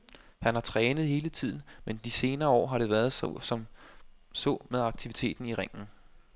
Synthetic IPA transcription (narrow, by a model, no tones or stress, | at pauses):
hænhɑ̈t͡sʰʁɛːnəð̩ˠhe̝ːlət͡sʰið̞̰ˠn̩mend̥ise̝ːnɐːɒ̰ːɦɑ̈ɾe̝ʋæːɐð̞ˠssɒ̽m | sɔ̰meðˠɑ̈ɡ̥̚t͡sʰiʋit͡sʰe̝̰ːd̥n̩iʁeŋ̰n̩